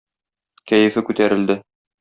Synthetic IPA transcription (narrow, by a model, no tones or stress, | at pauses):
kæjɘ̆fɘkʉt̪æɾɘ̆ld̪ɘ